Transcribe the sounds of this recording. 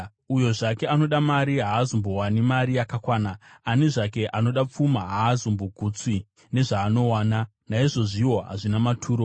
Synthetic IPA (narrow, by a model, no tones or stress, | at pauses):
ujo̞ʐake̞ano̞ɗamaɾiɦaːzombo̞wanimaɾijakakwaːnaːneʐake̞ʔano̞ɗap͡fumaɦaːzomboɡʱut͡swi | ne̞ʐaːno̞waːna | naiʐo̞ʐiwo̞ɦa̰ʐinamatʰuːɾo̞